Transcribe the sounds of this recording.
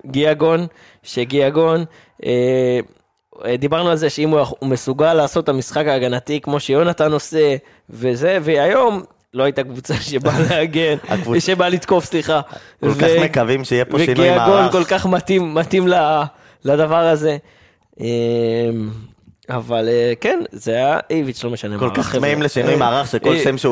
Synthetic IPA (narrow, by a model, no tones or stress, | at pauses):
ɡiaɡo̞n | ʃeɡiaɡo̞n | e | d̪ibaʁnualze̞ʃeimuaumesuɡalːaːso̞t̪ːamisχakaːɡanatikmo̞ʃejo̞nat̪ano̞se̞ | ve̞ze̞veajo̞m | lo̞ajit̪akvut͡saʃebaleaɡena̰kvuʃebalit̪ko̞fsliχa | klvkaemekavimʃeijeoveinkiaɡonko̞lkaχmat̪imːat̪imla | ladavaʁaze̞ | em | avalekenzeaʔejvit͡ʃlo̞meʃanemkolʁkaχmaimleʃinujmaːʁaχʃekolemʃe